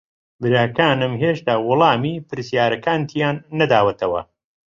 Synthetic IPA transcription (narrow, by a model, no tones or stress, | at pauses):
bɨɾaːkaːnɨmɦeːʃt̪aːwʊlˠɑːmiːpɨɾsjaːɾɐkaːnt̪ʰijaːnːɐd̪aːwɐt̪ʰɐwɐ̰